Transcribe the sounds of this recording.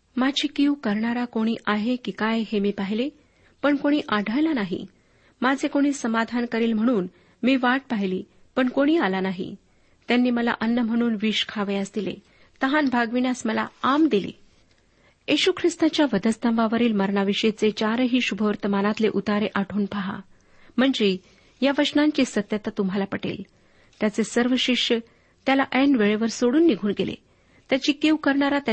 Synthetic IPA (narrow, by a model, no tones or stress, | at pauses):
mad͡ʑʱiːkiukəɾɳaɾakoɽ̃iːʔaɦekikajɦemiːpaɦile | pəɳkoɽ̃iːʔaɖ̤ʱəjlanaɦḭ | mad͡zʱekoɽ̃iːsəmad̪ʱankəɾiːlm̤əɽ̃uːn | miːʋaʈ̚paɦiliː | pəɳkoɽ̃iːalanaɦḭ | t̪janːiːməla̰ʔənːəm̤əɽ̃uːnʋiɕkʰaʋəjasd̪ilḛ | t̪əɦanbʱaɡʋinasməla̰amd̪ilḛ | jiɕukʰɾist̪at͡ɕjaʋəd̪əst̪ə̃mʋaʋəɾiːlməɾɳaʋiɕet͡set͡ɕaɾɦiːɕubʱəʋəɾt̪əmanat̪leʔut̪aɾeʔaʈʰuːnpʰaɦa̰ | m̤əɳd͡ʑe | jaʋəʂnãɲt͡ɕisət̪jət̪at̪umɦalapəʈḛl | t̪jat͡sesəɾʋəɕiʂə | t̪jalaʔɛnʋeɭeʋəɾsoɽuːnːiɡʱuːnɡelḛ | t̪jat͡ɕiːkeukəɾɳaɾat̪a